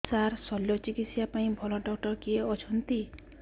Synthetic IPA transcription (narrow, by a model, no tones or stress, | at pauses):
saɾsɔljɔt͡ʃikit̪sjapaĩbʱɔlɔɖɔkʈɔɾkieɔt͡ʃʰɔnt̪i